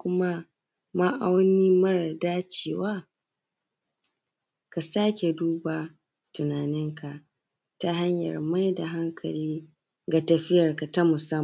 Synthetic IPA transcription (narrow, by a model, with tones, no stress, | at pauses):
kʷʊ˦ma˦ | ma˦ʔa˦wniː˦mɐ˦ɾa˨daː˦t͡ʃeː˦˨waː˦ | ka˨saː˦kʲe˨duː˦ba˨ | tʊ˨naː˨nɪ˦ŋka˨ʔ | ta˦ɦa˦ɲjɐ̰˨rma˦jda˨ɦa˦ŋkʰɐ˨liː˦ | ɡa˨tɐ˨ɸɪ˦jɐ˨rka˨ta˦mʊ˨sɐ˦m˨